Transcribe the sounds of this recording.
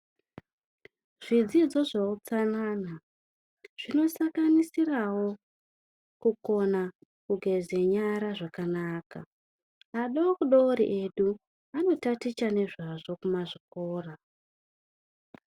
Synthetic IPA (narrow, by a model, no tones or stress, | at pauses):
ʐ̥id͡zid͡zo̞ʐaut͡sanaːna | ʐ̥ino̞saŋkanisirawo̞ | kuko̞na | kuɡʱe̞ze̞ɲaɾaʐakanaːka̰ | aɗaokuɗooɾḭʔe̞ɗu | ano̞tatit͡ʃane̞ʐaʐo̞kumaʐik̚oːra